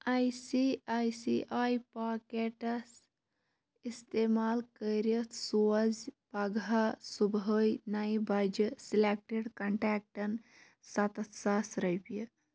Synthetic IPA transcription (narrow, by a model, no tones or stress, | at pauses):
ajsiajsiʔajpakeʈɐs | ist̪emaːlkəɾət̪ʰsuːɐzpɐɡasubɦəjnajbɐd͡ʒisilek̚ʈeɽkɐɳʈaːk̚ʈɐn | sɐt̪ɐt̪sasɾəjpə